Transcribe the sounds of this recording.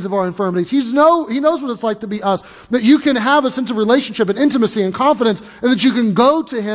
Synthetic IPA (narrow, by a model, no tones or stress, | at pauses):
zʌvaʊə˞ɨ̃ɱfɜ˞mɨɾiz̥iznoʊhinoʊzwʌɾətslaɪk̚tʰəbiʔʌs | ðɨt͡ʃɨkɨ̃nəvəsɛ̃nsʌvɹileɪʃn̩ʃɪp̬ɨ̃nɪ̃ntɨmɨsiɨ̃nkʰɑ̃ɱfəɾɨ̃ns | ɨ̃nðɨt͡ʃɨkɨ̃nɡoʊɾɨɪ̃